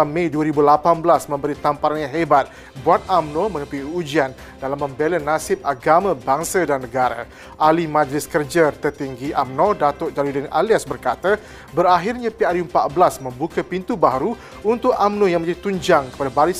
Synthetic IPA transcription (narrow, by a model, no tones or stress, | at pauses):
mẽjduəɾibulapanbəlasmə̃mbəɾit̪ampaɾanɲãɦebat̪̚ | buat̪̚amnomə̃nũpiud͡ʒian | dalamːə̃mbelənãsɪp̚aɡamãbaŋsadanːəɡaɾa̰ | ʔalimãd͡ʒlɪskərd͡ʒat̪ərt̪iŋɡiʔamnɔdat̪ʊʔd͡ʒaɾudina̰liasbərkat̪a | bəɾaɦirɲãpiaɾjumpat̪̚blasmə̃mbukapint̪ubaɦɾu | unt̪ʊkamnõjaŋməɲd͡ʒadit̪uɲd͡ʒaŋkə̥padabaɾis